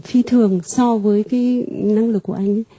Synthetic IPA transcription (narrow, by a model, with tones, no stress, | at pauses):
fi˧t̪ʰɨ˨˩əŋsɔ˧vəː˨˦jkaː˨˦jna˧ŋlɨ˨˩k̚ːu˧˩əʔa˧jŋ̟˦